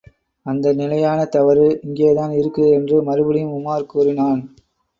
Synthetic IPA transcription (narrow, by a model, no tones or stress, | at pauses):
ɐnd̪ɐnɪlɐjaːnɐt̪ɐʋɐɾɯɪŋɡejɐðaːnɪɾɯkːɯɛndrɯmɐɾɯbɯɽɪjɯmʊmaːɾkuːrɪnaːn